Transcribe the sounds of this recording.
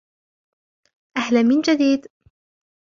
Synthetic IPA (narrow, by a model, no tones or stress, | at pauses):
ʔahlamɪnd͡ʒad̪iːd̪